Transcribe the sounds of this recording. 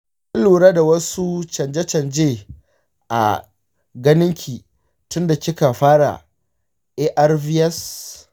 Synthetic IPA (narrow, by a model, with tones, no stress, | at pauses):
ʔɐ˦nluː˨ɽaː˦da˨wɐ˦su˦t͡ʃɐ˨nd͡ʒe˦t͡ʃɐ˨nd͡ʒeː˦˨ | ʔa̰˨ | ɡɐ˦nɪ˦ŋkʲʰiː˨ | tʊ˦nda˨kʲɪ˦ka˨ɸaː˦ɽa̰˨ | ʔeː˦ʔa˦rvi˦ɛ˦s